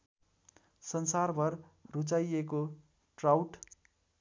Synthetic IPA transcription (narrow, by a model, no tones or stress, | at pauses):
sʌnsarbʱʌrrut͡sajeko | ʈrawʈ